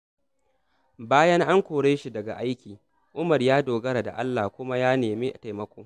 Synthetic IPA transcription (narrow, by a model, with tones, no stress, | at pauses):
baː˦jɐ˦ŋʔa˦ŋkʷoː˨ɽeː˦ʃi˨dɐ˨ɡa̰˨ʔa˦jkʲiː˨ | ʔʊ˦mɐ˨rjaː˦doː˨ɡɐ˦ɾa˨da̰˨ʔa˦lːa˨kʷʊ˦ma˦jaː˦neː˨meː˦ʔa˨ta˨mɐ˦kʷoː˦